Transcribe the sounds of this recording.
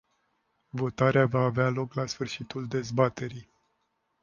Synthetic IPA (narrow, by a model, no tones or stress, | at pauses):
vo̞t̪aɾeavaːvealo̞klasfɨrʃit̪uld̪e̞zbat̪e̞ɾij